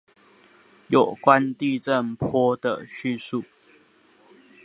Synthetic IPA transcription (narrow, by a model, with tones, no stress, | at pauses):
jo˨˩kwa˦nt̪i˥˧ʈ͡ʂə˥˨ŋpʰwɔ˦d̪̥ə̰˨ɕy˥˧su˥˨